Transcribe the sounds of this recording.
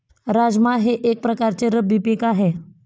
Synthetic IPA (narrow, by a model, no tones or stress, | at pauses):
ɾad͡zmaɦeʔek̚pɾəkaɾt͡seɾəbipikaɦe